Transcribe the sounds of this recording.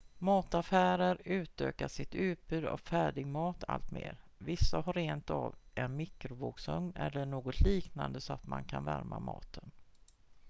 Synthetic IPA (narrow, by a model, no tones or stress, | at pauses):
mɑːt̪afæːɾəɾʉ̟ːt̪ø̰ːkaʂɪt̪ʉ̟ːt̪̚b̥ʉ̟ːd̪ɔ̰kfæːɖɪɡmɑːt̪ʰa̰lt̪mḛːɾ | vɪsːahaɾeːnt̪avʔɛnmɪkɾʊvoːksɵŋːʔɛlːəɳoːɡɔt̪ʰliːknand̪əsɔat̪mankʰanvæɾmʔamɑ̰ːt̪ʰən